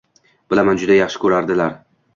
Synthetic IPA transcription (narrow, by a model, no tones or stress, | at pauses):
b̥ɪlamand͡ʒʊd̪ajɑχʃɪ̥kʲʰɵɾaɾd̪ɪlaɾ